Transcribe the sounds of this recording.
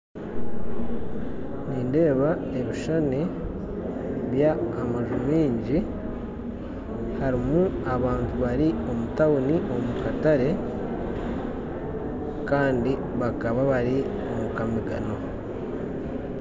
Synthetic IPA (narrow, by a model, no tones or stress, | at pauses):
niːnde̞ːβae̞βiʃani | βjaːmaʒumiːɲɟi | haɾimuaβaːntuβaɾio̞mutauniʔo̞mukataɾe̞ | kaːndi | βakaβaβaɾi | omukamiɡa̰no̞